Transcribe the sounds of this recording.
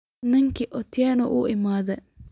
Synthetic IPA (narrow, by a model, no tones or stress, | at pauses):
nɪŋkʰɪʔɔt̪ʰjɛːnɔʔʊ̰ʔɪmaːðɛ